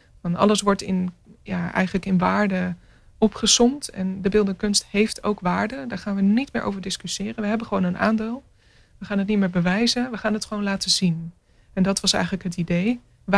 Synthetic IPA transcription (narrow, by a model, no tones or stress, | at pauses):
fɑnɑ̰ləsʋɔɹtɪnjaːɛ̰jχələkɪnʋaːɹdə | ɔpχəsɔmtɛ̰ndəbɪlˠdəkɵnstɦejftʰo̰wkʋaːɹdədaːɹχaːnʋənitmɪːɹʔo̰wvəɹdɪskysɪːrənʋəɦɛbəχəʋownənʔa̰ːndeːlˠ | ʋəχaːnɦət̬̚nitmɪːɹbəʋɛjzənʋəχaːnətχəʋownlaːtəzin | ɛndɑtʋɑsɛ̰jχələkɦətidej | ʋ